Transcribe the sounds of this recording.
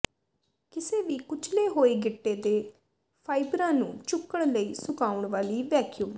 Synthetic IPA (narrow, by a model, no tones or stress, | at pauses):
kɪseːʋiːkʊt͡ʃʰleːɦoːiːɡɪʈːeːd̪eː | pʰaːɪbɾãːnũːt͡ʃʊkːəɳ̃ləiːsʊkaːʊɳʋaːliːʋɛːkjuːm